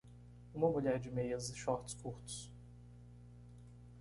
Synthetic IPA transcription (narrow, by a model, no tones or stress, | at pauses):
ũmɐmuʎɛɾd͡ʒɪmejɐzɪʃɔɾt̪ʊ̥skuɾt̪ʊ̥s